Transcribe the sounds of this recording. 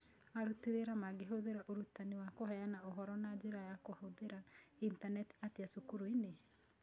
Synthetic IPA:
aɾuteɾeɾamaɡeɦoðeɾaʔoɾutaniwakoɦɛjanaoɦɔɾɔnad͡ʒeɾajakohoðeɾaintanɛti̥ateasokuɾoine

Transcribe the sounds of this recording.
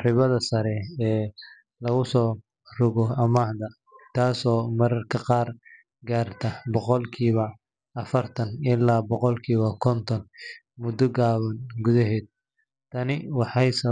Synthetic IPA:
rɪβɐðɐsɐɾɛɛː | lɐɣʊsɔː | rʊɣɔɐmaːhd̪ɐ | t̪ʰaːsɔːmɐɾɐrkʰɐqɑːr | ɡaːrt̪ʰɐbɔqɔlkʰiːβɐː | fɐrt̪ʰɐnɪlːaːbɔqɔlkʰiːβɐkʰɔnt̪ʰɔn | mʊd̪ɔɡaːβɐnɡʊðɐɦɛːd̪̚ | t̪ʰɐnɪwɑħɑjsɐ

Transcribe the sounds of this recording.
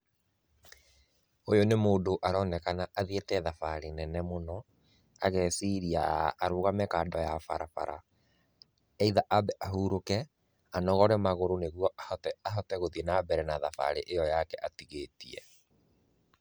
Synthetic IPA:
ojonemoːndoʔaɾɔnɛkanaʔaðietɛðafaɾenɛnɛmonɔ | aɣɛsiɾiaːɾoːɣamɛkaːndɔjafa̰ɾafa̰ɾʔa̰ | ɛiðaʔabɛʔaɦuɾokɛ | anɔɣɔɾɛmaɣoɾoneɣuɔʔahɔtɛaɦɔtɛɣoðiɛnabɛɾɛnaðafa̰ɾeʔejɔjakɛʔatiɣeːtiɛ̰

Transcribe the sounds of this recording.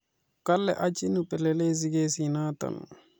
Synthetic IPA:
kɐlːeʔɐt͡ʃinupeleleːz̬iɡesinaːt̪ɐ̰nu

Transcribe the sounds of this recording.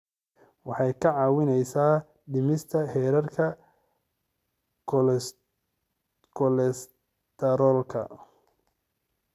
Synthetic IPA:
wɑħɑjkʰɐʕɑːwɪnɛjsaː | ɖɪmɪst̪ʰɐhɛːɾɐrkʰɐ | kʰɔlɛs | t̪ʰɛɾɔːlkʰɐ̰

